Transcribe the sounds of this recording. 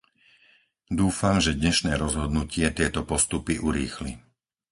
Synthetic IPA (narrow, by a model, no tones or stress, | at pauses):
d̪uːfamʒɛd̪ɲɛʃnɛːɾɔzɦɔd̪nucɪɛt̪ɪɛt̪ɔpɔst̪upiʔuɾḭːxlḭ